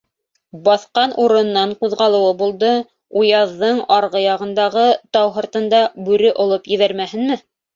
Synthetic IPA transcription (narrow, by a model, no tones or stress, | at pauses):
bɑθqɑnʔuɾɤ̆nːɑɴquðʁɑlˠɤ̆wɤbulˠd̪ɤ | ujɑðːɤɴɑɾʁɤjɑʁɤ̆nd̪ɑʁɤt̪ɑwɦɤ̆ɾt̪ɤ̆nd̪ɑbʉɾɘʔŏlˠɤpjɘ̆βæɾmæhɘ̆nmɘ